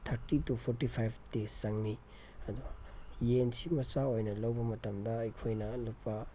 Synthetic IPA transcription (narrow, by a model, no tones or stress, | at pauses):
tʰɐɾtitupʰoɾtipʰajbʰtesɐŋni | ɐd̪ujensimɐsaojnɐlɐwbɐmɐtɐmdɐɐjkʰojnɐlupːɐ